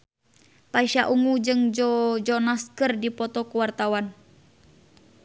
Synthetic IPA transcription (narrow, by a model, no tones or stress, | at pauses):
paiʃaʔuŋud͡ʒɨŋd͡ʒɔd͡ʒɔnaskərdipɔt̪ɔkuwart̪awan